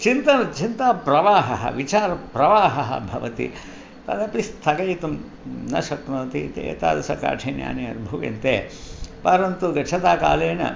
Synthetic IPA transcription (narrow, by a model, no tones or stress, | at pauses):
t͡ʃint̪ɐnɐt͡ʃint̪aːpɾɐʋaːɦɐɦɐ̰ʋit͡ʃaːɾɐpɾɐʋaːɦɐɦɐ̰bʱɐʋɐt̪ḭ | t̪ɐ̰d̪ɐplist̪ʰɐkɐjt̪um | nɐʃɐt̪noːt̪it̪ḛːt̪a̰ːd̪ɐsɐka̰ːʈʰeːnja̰ːniɐɾbʱuʋɐ̰nt̪eːpɐɾɐnt̪uɡɐt͡ʃʰɐt̪aːka̰ːleːnɐ̰